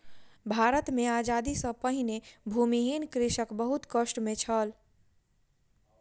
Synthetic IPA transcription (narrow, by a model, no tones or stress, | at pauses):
bʱaɾət̪mead͡ʒad̪isə̃pəɦinebʱumiɦinkɾiʃəkbəɦut̪kəsʈmet͡ʃʰəl